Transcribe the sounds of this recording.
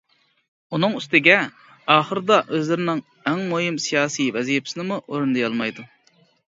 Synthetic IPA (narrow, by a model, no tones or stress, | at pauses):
unɨŋyst̪ɪɡʲɛ | ɑːχəɾɨd̪ɑʔøzlɪɾɪnɪŋ | ɛŋmoɦimsijɑːsijvɛzijɪpsɪnɪmuʔoɾund̪ɨjɑlˠmɑjd̪u